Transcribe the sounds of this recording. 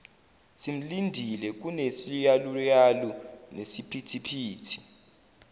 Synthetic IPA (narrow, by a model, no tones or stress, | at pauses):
sim̩lindʱilɛk̬unesijalujalunesipʰitʰipʰiːtʰi̥